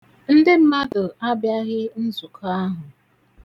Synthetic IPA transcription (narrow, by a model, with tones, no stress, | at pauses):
n̩˦dɪ˦m̩˦ma˦dʊ˨a˦bja˦ɣɪ˦n̩˦zu˨kʰa˦ɦʊ˨